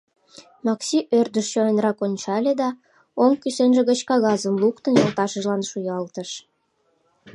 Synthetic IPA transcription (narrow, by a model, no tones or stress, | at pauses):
mɑksiʔørd̪əʃt͡ɕonenrɑkonʲt͡ɕɑlʲed̪ɑ | oŋkyʃenʒĕɣət͡ɕkɑɣɑzəmlukt̪ənjolt̪ɑʃəʒlɑnʃujɑlt̪əʃ